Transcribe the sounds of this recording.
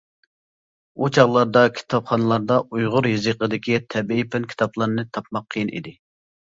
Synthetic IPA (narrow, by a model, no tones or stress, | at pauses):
ut͡ʃʰɑʁlˠɑɾd̪ɑkʲʰi̥t̪ʰɑpχɑnɨlˠɑɾd̪ɑujʁʊɾɦizɨqəd̪ɪkʲit̪ʰɛbiipʰɪnkʲʰi̥t̪ʰɑplˠɑɾnɨt̪ʰɑpmɑqʰːəjinʔḭd̪ɪ